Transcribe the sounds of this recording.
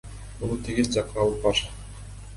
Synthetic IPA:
bunˠut̪ʰiɡizd͡ʒɑqɯnɑlˠɯp̚bɑɾ

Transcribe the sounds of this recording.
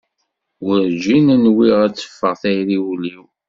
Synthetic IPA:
wəɾd͡ʒinənwiʁæt͡sːə̥fːəʁθæjɾiwliw

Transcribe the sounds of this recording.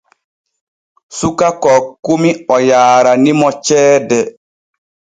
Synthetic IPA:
sukakɔkumiɔjaːɾanimɔt͡ʃɛːdɛ

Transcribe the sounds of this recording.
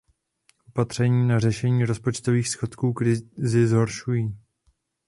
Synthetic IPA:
ʔopat̪r̝̥ɛɲiːnarɛʃɛɲiːɾo̞spot͡ʃt̪o̞viːxsxo̞t̪kuːkɾɪzɪzɦo̞ɾʃujiː

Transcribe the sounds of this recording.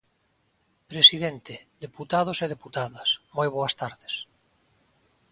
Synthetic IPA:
pɾesiðent̪ed̪eput̪að̞oseðeput̪aðasmojβ̞oɐst̪aɾðes

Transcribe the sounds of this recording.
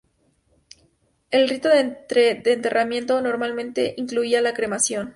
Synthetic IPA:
e̞lrit̪o̞ðeɾeðeːnt̪e̞rʔamje̞nt̪ono̞ɾmalmẽ̞nt̪e̞ʔiŋkluialakɾe̞masjo̞n

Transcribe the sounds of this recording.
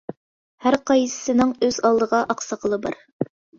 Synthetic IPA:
hæɾqɑj̪ɨ̥sɨnɪŋøzɑlˠd̪ɤʁɑʔɑqsɑqəlˠɤbɑ̰ɾ

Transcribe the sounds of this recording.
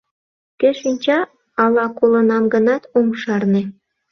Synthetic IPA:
kɘ̆ʃinʲt͡ɕɑ | ɑlɑkolˠɤ̆nɑmɡɤ̆nɑt̪omʃɑrnĕ

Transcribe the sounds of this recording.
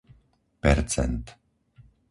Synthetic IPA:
pɛɾt̪sʰɛ̰nt̪

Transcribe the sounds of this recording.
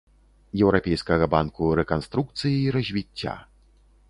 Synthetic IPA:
jɛwɾapʲɛjskɐɣɐbankuɾɛkanst̪ɾuk̚t̪sɨjiiɾɐzʲvʲit͡sʲːa̰

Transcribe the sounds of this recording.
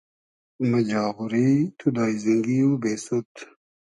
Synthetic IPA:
mɐd͡ʑaːɣuɾit̪ʰud̪aːiziŋɡiubeːsut̪ʰ

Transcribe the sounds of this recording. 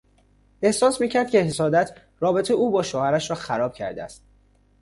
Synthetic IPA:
e̞hsɒːsmiːcʰæɾd̪̚cʰʲe̞ɦesɒːd̪æt̪ʰ | rɒːbe̞t̪ʰeuːbɒːʃoːhæɾæʃɾɒːxæɾɒːb̥̚cʰæ̰ɾd̪eæ̰st̪

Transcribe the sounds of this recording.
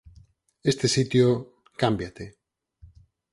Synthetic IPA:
est̪esit̪jo | kambjat̪e

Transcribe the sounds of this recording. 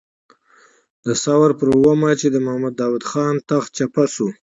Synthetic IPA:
d̪̥əsawaɾpəɾwəmat͡ʃed̪əmʊhamad̪ːɑwad̪xɑnt̪axt͡ʃapasu

